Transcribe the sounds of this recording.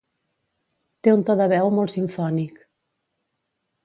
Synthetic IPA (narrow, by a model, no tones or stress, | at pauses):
t̪eunt̪ɔðəβɛwmolt̪siɱfɔnik